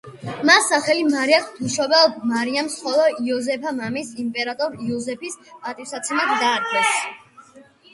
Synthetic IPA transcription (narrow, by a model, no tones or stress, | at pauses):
masːaχɛlimaɾiakʰd̪ʰuʃɔbɛlmaɾiamsχɔlˠɔiɔzɛpʰamamisimpʼɛɾat̪ʼɔɾiɔzɛpʰispʼat̪ʼisat̪sʰɛmad̪ɡ̪aːd̪̚ɡɛs